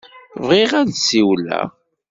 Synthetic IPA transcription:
vʁiʁædsiwlæ̰

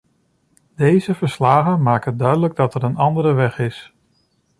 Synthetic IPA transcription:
d̥ejzəvəɹslaːχənmaːkədœɥdələɡ̚dɑtɛɾənɑndəɾəʋɛχɪs

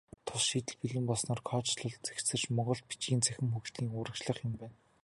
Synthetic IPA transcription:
t̪ʰʊsʃiːt̪ɘ̆ɮpiɮɘ̆mpɔɮsnɔːrkʰɔːt͡ɕɮə̆ɮt̪t͡sæ̥kt͡sɘ̆rt͡ɕmɔʁɞ̆ɬt̪̚pit͡ɕɡʲiːnt͡sʰæxʲɪ̆mxukt̪ʰiːŋʊːɾə̆kt͡ɕɮə̆χjʊmpæːn

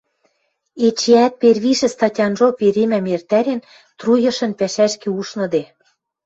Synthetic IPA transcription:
et͡ɕeæt̪̚perβiʃɘ̆st̪ɑtʲɑnʒopeɾemæmert̪æɾen | t̪rujɤ̆ʃɤ̆npæʃæʃkĕuʃnɤ̆d̪e

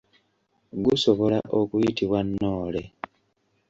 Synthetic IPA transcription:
ɡuso̞βo̞laʔo̞kujitiβwanːoːle̞

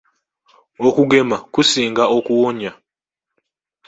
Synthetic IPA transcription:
okuɡemakusiːŋɡaʔokuwoɲa

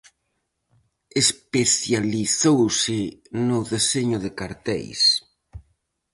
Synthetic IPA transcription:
espeθjaliθowsɪnʊðeseɲʊðɪkaɾt̪ɛ̰js

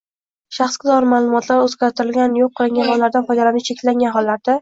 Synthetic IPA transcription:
ʃaχskʲɪzɒɾɪmalˠʊmɒt̪ʰlaɾɵzɡʲaɾt̪ʰɪɾɪlɡʲanjoqʰːɨlˠɪŋɡʲanhɒlˠːaɾd̪anfɒjd̪alanɪt͡ʃʰe̞kʲlaŋɡʲanɦɒlːaɾd̪a

